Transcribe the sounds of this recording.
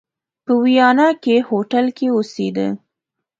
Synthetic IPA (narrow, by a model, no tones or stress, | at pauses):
pəwijɑnakehoʈalkeosed̪ə̰